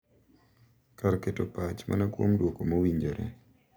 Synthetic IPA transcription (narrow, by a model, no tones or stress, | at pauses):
kaɾketopat͡ʃmʔa̰nakwo̰mdwokomawiɲd͡ʒeɾʔɛ̰